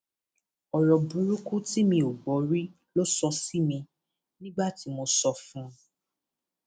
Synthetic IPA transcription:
ɔ˨ɾɔ˨bũ˨˦ɾu˦ku˦ti˦mĩ˧o˨ɡ͡bɔ˨˦ɾi˦ | lo˦sɔ˧si˦mĩ˧ | nĩ˦ɡ͡ba˦˨ti˨˧˦mo˧sɔ˧fũ˦

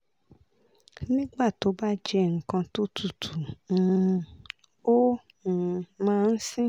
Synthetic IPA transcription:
nĩ˦ɡ͡ba˦˨to˨˦ba˦d͡ʒɛ˧ŋ̩˨kã˧to˦tʰu˨tʰũ˨˦ | o˦˨˧ | mãː˦˧n̩˦sĩ˦

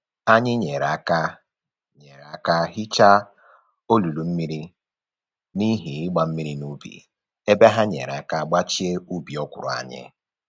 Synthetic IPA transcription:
a˦ɲɪ˦ɲe˨ɾa˨ka˦ | ɲe˨ɾa˦ka˦ɦi˦t͡ʃa˦ | o˦lu˨lu˨m̩˦mi˦ɾi˦ | ni˦ɦi˨ɪ˦ɡ͡ba˨m̩˦mi˦ɾi˦nu˦bḭ˨ | e˦be˦ɦa˦ɲḛ˨ɾa˦ka˦ɡ͡ba˦t͡ʃi˦e˦u˦bi˨ɔ˦kʷʊ˨ɾʊ̰˨a̰˨ɲɪ̰˦

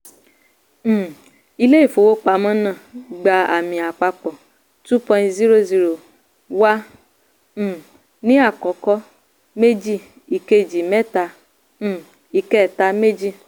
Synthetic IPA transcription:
i˧le˦i˦˨fo˨˧wo˦k͡pa˧˦mɔ̃˦nã˦˨ɡ͡ba˧a̰˨mĩ˧a˨k͡pa˧k͡pɔ˨ | tu˦pɔ̃˧˦zi˦ɾo˧zi˧ɾo˨ | wã˦˨ | nĩ˦a˦˨kɔ˨˦kɔ˧˦ | me˦d͡ʒi˦˨ | i˨ke˧˨d͡ʒi˨mɛ˦tã˧˦˨ | i˧kɛ˦˨ta˨˧me˦d͡ʒi˦˨

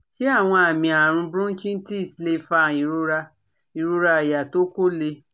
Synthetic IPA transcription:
ki˦a˦˨w̃ɔ̃˧a˨mĩ˨˧a˨ɾ̃ũ˧bɾũ˦t͡ʃĩ˦n̩˦ti˦i˦˨si˧le˧˦fa˧˨i˨ɾo˧ɾa˧ | i˨ɾo˧ɾa˧˨ja˨to˦ko˦le˧

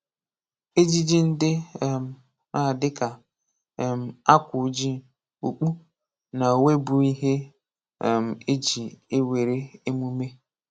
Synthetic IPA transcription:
e˦d͡ʒi˦d͡ʒi˦n̩˦dɪ˦˨m̩˨ | a˨dɪ˦ka˨ | m̩˨a˦kʷʊ˨˦d͡ʒi˦ | u˨k͡pu˦ | na˨o˨we˦bu˨i˦ɦe˦˨ | m̩˨e˦d͡ʒi˨e˦we˨ɾe˦e˦mu˦me˦

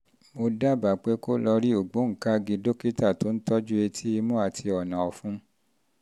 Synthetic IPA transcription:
mo˧da˦˨ba˨k͡pe˨˦ko˦lɔ˧ɾi˦o˦˨ɡ͡bo˨˦ŋ̩˨ka˦ɡi˧do˦ki˦ta˦˨to˨˦n̩˦tɔ˦d͡ʒu˦e˧tʰi˦i˧mũ˦a˦˨tʰi˧ɔ˨nã˨ɔ˨fũ˦

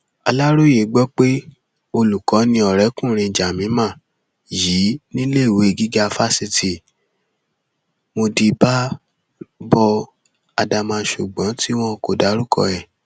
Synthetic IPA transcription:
a̰˧la˦ɾo˦je˨˦ɡ͡bɔ˦k͡pe˦ | o˧lu˨kɔ˨˦nĩ˧˦ɔ˨ɾɛ˨˦kũ˦˨ɾ̃ĩ˧˨d͡ʒa˨mĩ˨˦mã˦˨ | ji˨˦nĩ˦le˦˨we˨˦˨ɡi˦ɡa˦˧fa˦si˧ti˨ | mo˧di˧ba˦ | bɔ˧ | a̰˧da˧mã˧ʃu˨ɡ͡bɔ̃˨˦ti˦w̃ɔ̃˦ko˨da˨˦ɾu˦kʰɔ̰˧ɛ˨

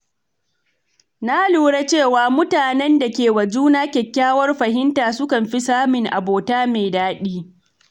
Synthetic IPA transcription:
na˦luː˦ɽe˦t͡ʃeː˦˨waː˨mʊ˦taː˨nɛ˦nda˨kʲeː˨wɐ˨d͡ʒuː˦naː˦kʲɛ˨kʲːaː˦wɐ˦rɸɐ˨ɦɪ˦ntaː˨sʊ˦kɐ˨mɸi˦saː˦mɪ˨ŋʔa̰˨boː˨taː˦meː˨daː˦ɗiː˦

